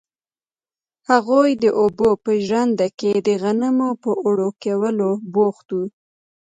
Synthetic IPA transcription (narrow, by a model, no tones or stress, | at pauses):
haɣojd̪əʔobopəʒɾand̪aked̪əɣanəmopəʔoɽokewəloboxt̪u